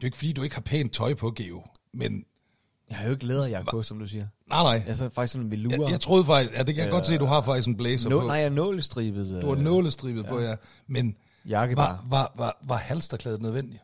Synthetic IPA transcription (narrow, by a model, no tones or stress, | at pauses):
d̥e̝oe̝ɡ̥fd̥ḭːd̥ue̝ɡ̥hɑ̈pʰɛ̰ːnt͡sʰɒ̽ɪpʰɒ̽ɡ̥e̝̰omen | jɑhɑjoe̝ɡ̥leːðˠɐjɑ̈ɡɔsɒ̽md̥usiːɐnɑ̈ɪnɑ̈ɪ̰æsɒfɑ̈ɡ̥i̥snmʋiluɐjɑ̈ɪt͡sʰʁo̝ːðˠfɑ̈ɡ̥̚isɡ̥jæd̥e̝kʰæjɡ̥ɒ̥̽se̝̰ːduɦɑ̈fɑ̈ɡ̥d̥isɡ̥enb̥leːsɐpnaɪjnɔ̰ːləsd̥ʁḭːb̥ð̩ˠd̥uɑnɔ̰ːləsd̥ʁḭːb̥ð̩ˠpɔ̽jæ | men | jɑ̈ɡ̥əɑʋɑʋɑʋɑ̈hælsd̥ɐkʰlɛːð̩ˠnøð̞ˠʋen̰d̥i